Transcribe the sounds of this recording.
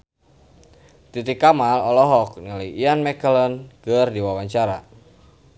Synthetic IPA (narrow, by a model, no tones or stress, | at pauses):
t̪it̪ikamalɔlɔɦɔk̚niləjianmɛkəlɔnkərdiwawaɲt͡ʃaɾa